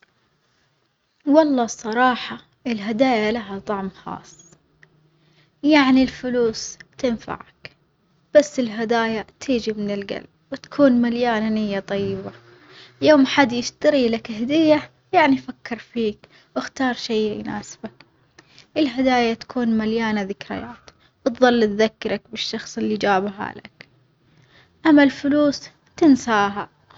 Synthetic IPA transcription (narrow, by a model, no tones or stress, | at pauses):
wɑlˤːɑːsˤɑɾˤɑːħɑ | ʔɪlɦad̪aːjalaɦat̪ˤɑʕmxɑ̰ːsˤː | jaʕnilfʊluːst̪ɪnfa̰ʕa̰k | b̥asːɪlɦad̪aːjat̪ʰiːd͡ʒimɪnɪlɡa̰lb̚wɪt̪ḁkʰuːnmaljaːnnɪjːat̪ˤɑjːɪba | joːmħad̪jɪʃt̪aɾilakhad̪ɪjːa | jaʕnifakːɪɾˤfiːk | wɪxt̪ɑːɾˤʃejːjʊ̰na̰ːsbak | ʔɪlɦad̪aːjat̪ḁkʰuːnmaljaːnaðɪkɾɪ̰jaːt̪ | wt̪ðˤɑlːt̪ðakːɑɾˤɑkbɪʃːɑxsˤɪlːid͡ʒaːbɦa̰la̰k | ʔamːalfʊluːs | t̪ɪnsaːɦa